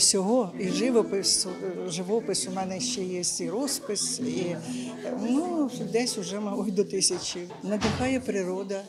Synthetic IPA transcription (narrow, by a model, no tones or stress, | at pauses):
sʲɔɦɔiʒɪʋɔpɪsʒɪʋɔpɪsʊmɛnɛʃt͡ʃɛjɛsʲtʲiɾɔspɪsi | nud̪ɛsʲʊʒɛmɐlˠɔjd̪ɔt̪ɪsʲɐt͡ʃʲiwnɐd̪ɪkɑjɛpɾɪɾɔd̪ɐ